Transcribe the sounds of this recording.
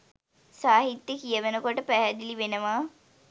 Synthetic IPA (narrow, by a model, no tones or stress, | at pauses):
saːɦit̪jəkijəʋənəkoʈəpæɦæd̪iliʋenəʋa